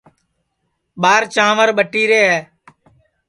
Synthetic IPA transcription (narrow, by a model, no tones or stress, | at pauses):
ɓaːɾt͡ʃãːʋəɾɓəʈːiːɾeːɦɛː